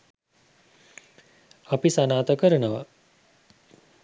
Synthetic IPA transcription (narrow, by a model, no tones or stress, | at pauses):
apisanaːt̪əkəɾənəʋa